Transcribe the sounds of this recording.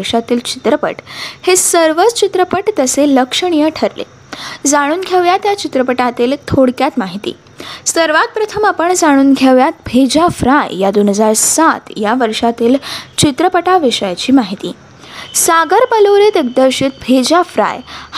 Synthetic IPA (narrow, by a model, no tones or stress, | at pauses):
ɾʂat̪iːlt͡ɕi̥t̪ɾəpə̰ʈhesəɾʋət͡st͡ɕit̪ɾəpəʈt̪əseləkʂəɽ̃ijəʈʰəɾlḛ | d͡zaɽ̃uːnɡʱeʋjat̪jat͡ɕit̪ɾəpəʈat̪iːlt̪ʰoɽkjat̪maɦit̪ḭː | səɾʋat̪̚pɾət̪ʰəmapəɳd͡zaɽ̃uːnɡʱeʋjat̪̚bʱed͡ʑafɾajjad̪onɦəd͡zaɾsat̪jaʋəɾʂat̪iːlt͡ɕit̪ɾəpəʈaʋeɕajt͡ɕiːmaɦit̪ḭː | saɡəɾpəloɾet̪ek̚d̪əɾɕit̪̚bʱed͡ʑafɾa̰jh